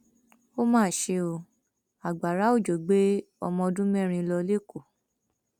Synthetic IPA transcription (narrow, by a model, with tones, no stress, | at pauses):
o˦mãː˦˨ʃe˧o˧ | a˨ɡ͡ba˨ɾa˨˦o˦˨d͡ʒo˨ɡ͡be˨˦ | ɔ̰˧mɔ̃˧dũ˦mɛ˦˨ɾ̃ĩ˧lɔ˧le˦˨ko˦˨